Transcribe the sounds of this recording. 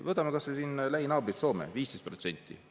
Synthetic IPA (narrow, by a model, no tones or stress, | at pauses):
vɤt̪ːˑɑmekɑssesiːnlæɦinɑːbɾit̪so̞ːmḛviːst̪e̞jst̪̚pro̞t̪se̞nʲt̪ːˑḭ